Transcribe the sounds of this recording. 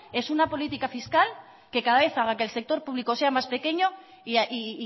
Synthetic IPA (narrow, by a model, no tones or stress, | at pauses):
e̞sunapo̞lit̪ikafiskal | ke̞kaðaβe̞θaɣ̞akelse̞k̚t̪o̞ɾpuβ̞liko̞se̞amaspe̞ke̞ɲo̞ | iaʔi